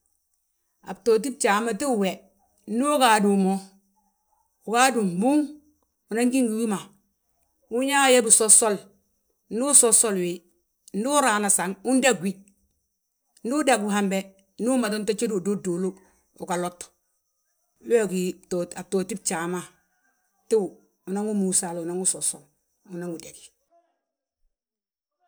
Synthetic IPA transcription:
a̰˨bto˨t̬i˦b̚t͡ʃaː˨˦ma˦ti˦u˦˨we˨ | n̩˦u˦kaː˨du˨mo˦ | u˨ka˦du˨m˨bu˦ŋ | u˨na˦ŋɡi˦ŋɡu˨ju˦ma˨ | u˦ɲa˦je˦bu˨so˦so˦l | n̩˦u˦so˦so˦lwi˨ | n̩˦du˦ɾaː˨na˨sa˨ŋu˦n˦da˦ɡwi˦ | n˦du˦da˨ɡu˨ɦa˨mbe˦ | n˦du˦ma˨do˦nta˦t͡ʃe˦do˨do˦do˨lo˦ | o˨ka˨lo˦t | wo˦ɡi˨toa˨to˨ti˦b̚t͡ʃa˨ma˦ | ti˦wu˨ | u˨na˦ŋu˦mu˨sa˨lu˨na˦ŋu˦so˨so˨l | u˨na˦ŋu˨de˨ɡi̥˨

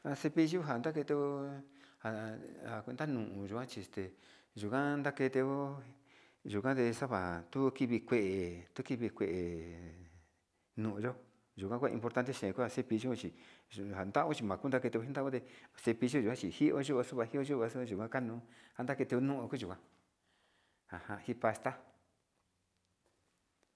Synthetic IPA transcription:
a˧se˧pi˧ʒu˦ɦa˨nd̪a˦ke˧t̪e˧o˧ha˨a˨knd̪a˦nũ˧˨ʔũ˧ʒu˨kã˦t͡ʃi˧˨st̪e˨ | ʒu˨kã˦˧nd̪a˦ke˧t̪e˧o˦ | ʒu˨kã˦t̪e˧sa˦βa˨t̪u˦ki˧βi˧kʷe˧˨ʔe˨t̪u˦ki˧βi˧kʷe˧˨ʔe˨ | nũ˨ũ˧ʒo˦ | ʒu˨kʷã˦ku˦a˧ḭ̃˧mpo˧ɾt̪a˦nt̪e˦ʃẽ˨˧ku˦a˧se˦pi˧ʒo˦˧t͡ʃi˨ha˨nd̪a˦o˦t͡ʃi˧mã˨ku˦nd̪a˦ke˧t̪e˧˦i˦nd̪a˦õ˦t̪e˧se˧pi˧ʒo˦ʒu˨kã˦t͡ʃi˨hi˦ʔo˦ʒu˦o˧su˦βa˧hi˦o˦ʒu˦˧βa˧su˦˧ʒu˨kʷã˦ka˦nũ˧˦ha˦nd̪a˦ke˧t̪e˧o˧nũ˦ʔũ˧ku˦ʒu˨kã˦ | ha˨hã˧hi˦pa˧st̪a˦

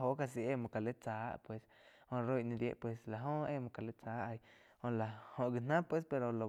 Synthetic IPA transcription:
o˧˦ka˧s̬i˧ʔe˦mõ˧˨ka˨le˦t͡saː˨˦pwe˧s | hõ˧ɾo˦˧jʔnĩ˧ɾje˧ʔpwe˧sla˨ɦõ˦e˦˧mõ˧ka˨le˦t͡saː˦ʔa˧j | hõ˧la˨hõ˧ʔɡi˧nã˦pwe˧˦spe˧ɾo˧lo˨

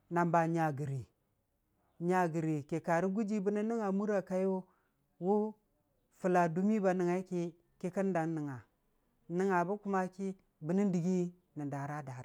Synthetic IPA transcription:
na˨mba˨ɲa˨ɡi˨ɾi˨ | ɲa˨ɡi˨ɾi˨ke˨ka˨ɾi˦ɡu˦d͡ʒi˦bə˦ni˦ni˦ŋa˨mu˦ɾa˨ka˦jo˦ | wu˦ | fu˨la˨du˦mi˦ba˨nə˨ŋa˨i˦ki˦ | ki˦kə˦n˦da˨nnə˨ŋa˨ | ni˨ŋa˨bu˦ku˦ma˦ki˦ | bə˨ni˦ndi˨ɡi˦ | ni˨da˨ɾa˦da˨ɾa˦

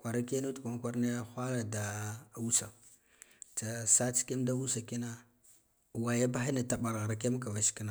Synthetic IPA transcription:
kʷa˨ɾa˦ke˦nu˦tu˨kʷa˨ŋ˦kʷa˦ɾne˦xʷa˦la˨da˨u˦sa˨ | t͡sa˨sa˦t͡ske˦mda˦u˦sa˨ki˦na˦˨ | wa˨ja˦ba˦xi˦na˨ta˨ɓa˨ɾɣa˨ɾa˨ke˦m˦ka˨va˨ʃi̥˦ki˦na˨

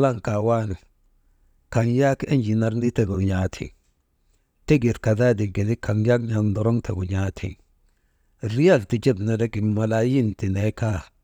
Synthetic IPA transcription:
la˦˨ŋka˨wa˦ni˨ | ka˨ŋja˦ke˦nd͡ʒi˨na˨ɾni˦te˨ɡu˨ɲa˨tʰḭ˨ŋ | te˦ɡi˨ɾka˨da˦di˨ŋɡi˨ni˦ka˨ŋja˦kn˦a˨ŋndɔ˨ɾɔ˦ŋtḛ˨ɡu˨ɲa˦tʰḭ˨ŋ | ɾi˦ja˦˨lti˨d͡ʒe˦˨bna˨da˦ki˨ma˨la˨ji˦nti˨ne˨˦ka˦

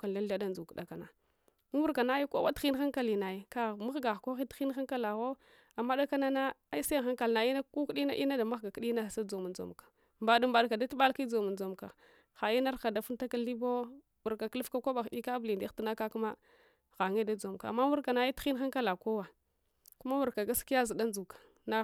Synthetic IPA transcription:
ka˨da˦ɬa˦da˦nd͡zu˨kda˨ka˨na˨˦ | wu˦ka˨na˦ji˦ko̰˦wa˦txi˦n˦xa˦ŋka˦li˨na˨ji˨ka˦˨mu˦xɡa˨xko˦xi˦ti˦n˦xa˦ka˦la˨ɣo˦ | a˨mːa˦da˦ka˦na˦na˦a˦i˦sa˦˨xa˦ŋka˨lna˨i˦na˦ku˦kɗi˦na˦ʔi˦na˦da˨ma˦xɡa˨ki˦ɗi˦na˦˨sa˦d͡zo˨mu˨d͡zo̰˨mkḁ˨ | mba˨du˨mba˨ɗka˨da˦tu˦ɓa˦lki˦d͡zo˨mu˨nd͡zo˨mka̰˨ | xa˨i˦na˦ɾxa˨da˨fu˦n˦ta˦ka˦li˦bo˦ | wu˨ɾka˨klu˦fka˦ko˦ba˨xɗi˦ka˦bli˨ndi˦ti˨na˦ka˦ku˦ma˦ | ɣa˨ŋe˦da˦d͡zo˨mka˨mːa˦wu˦ɾka˨na˦ji˦ti˦n˦a˦ŋka˦la˨ko˦wa˨ | ku˦ma˦wu˨ɾka˨ɡa˦ski˦ja˦zi˨da˦nd͡zu˨kḁ˨ | na˦

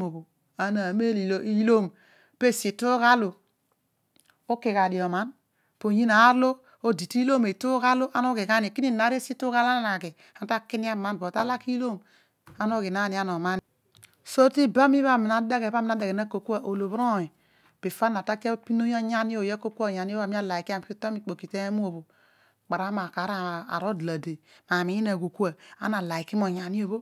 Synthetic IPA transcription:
o˨bo˨ | a˨˦na˨me˦li˨lo˦ʔi˦lo˦m | pe˦˨si˨tu˦ka˦lo˨ | o˦ki˨ka˨di˨o˨ma˦n | po˨ɲi˦na˨˦ɾlo˦ | o˦di˨ti˦lo˦me˨tu˦ka˦lo˦ʔa˦no˦ke˨ka˦ni˨ki˦ni˦˨na˨˦ɾe˦si˦tu˦ka˦la˦na˨ke˨ | a˨n˦ta˦ki˦ni˦a˦˨ma˦nbo˨ta˦la˦ki˦lo˦m | a˦no˦ki˨na˦ni˨a˦no˨ma˦n˨ | so˦ti˦ba˦mi˦βa˦˨mi˨na˦da˦ɣe˨ba˦mi˨a˦da˨ɡe˨na˦ko˨ku˦a˨ʔo˨lo˨βɾo˦˨i˨ | pi˨fa˦n˨a˨ta˦ki˦a˦pi˦no˦o˦ɲa˦ni˦o˦˨je˦ko˦ku˦a˨ɲa˨n˦o˦a˨mi˦a˦la˨i˨ki˦a˨m˨pi˦to˦mi˦k͡po˨ki˨te˦a˦mu˦o˨bo˨ | k͡pa˨ɾa˦ma˨ka˨˦ɾa˦a̰˨ɾo˦dla˨de˨ma˨mi˨˦i˦na˨ko˨ku˦a˨a̰˦na˨la˨i˨ki˦m˦o˨ɲa˨ni˦o˨bo˦

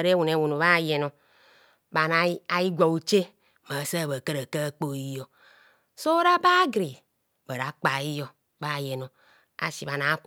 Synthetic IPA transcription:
ɾe˦wu˨n˨e˨wu˨no˨βa˦˨je˨no˨ | ba˨na˨˦a˨ji˦ɡʷa˨wu˨t͡ʃe˦ | ma˨sa˦˨bə˨kə˦ɾə˨ka˦k͡po˦i˦jɔ˨ | so˦ɾa˦ba˦ɡɾi˨ | bə˨ɾa˨k͡pa˨i˦jɔ˨ | ba˦˨jɛ˨no˨ | a̰˨si˨βa˨na˨˦k

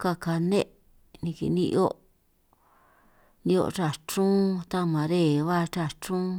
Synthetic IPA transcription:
ka˧ka˧nẽ˦ʔ | nĩ˧kḭ˧˨nĩ˧ʔo˦ʔ | nĩ˧o̰˧ʈ͡ʂa˧˨t͡ʃũ˦t̪a˦mã˨ɾe˦˨βa˦˧t͡ʃa˧t͡ʃũ˦

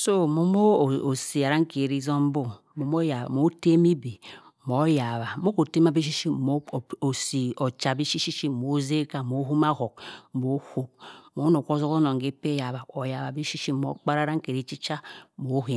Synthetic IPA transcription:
so˦mo˨mo˦˨o˨si˨a˨ɾa˦ŋ˦ke˨ɾi˦zo˦m˦bo˦ | mo˨mo˦ja˨a̰˨mo˦te˦mi˦bi˨ | mo˨˦ja˨βa˨˦mo˦ko˨te˦m˦a˦bi˦ʃ̬i˦ʃi˦m˦˨o˨si˨o˨t͡ʃa˨bi˦ʃi˦ʃi˦ʃi˦˨mo˨˦ze˦ka˦˨mo˨˦ɦu˦ma˦ho˨k̚mo˨˦ho˦k̚mo˦no˨ko˦zo˦ko˦no˨ŋ˨ɡe˦pe˦ja˨βa˨o˨ja˨βa˨bi˦ʃi˦ʃi˦mo̰˨˦k͡pa˦ɾa˦ɾa˦ŋ˦ke˨ɾi˦t͡ʃi˦t͡ʃa˦˨mo˨˦ɦe˨

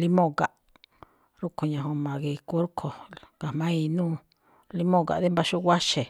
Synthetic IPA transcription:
li˦mõ˦ɣa˨ʔ | ɾu˦ko˨ɲã˨ɦõ˧mã˨ɣi˧ku˦ɾkʰo˨ka˨mã˦i˧nũː˦˨ | li˦mõ˦˨ka̰˨ðe˦mba˦ʃu˦ɣʷa˦ʃe˨

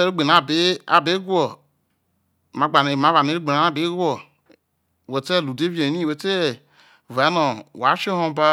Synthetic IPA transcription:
ɛ˧ɾi˦ɡ͡be˨nã˨˦˨be˦a˨be˨˦ɡu˦ɔ˨ | mã˨˦ɡ͡ba˨nẽ˨mã˨˦va˨nẽ˨˦ɾi˦ɡ͡be˨nã˨˦a˦˨be˨˦ɡu˦ɔ˨ | we˨tɛ˦˨lu˨de˦vi˦ɛ̃˨˦nĩ˦˨wo˨˦tɛ˦˨ | va˨˦nɔ̃˨wa˨˦ʃe˦hɔ̃˧˦ba˦

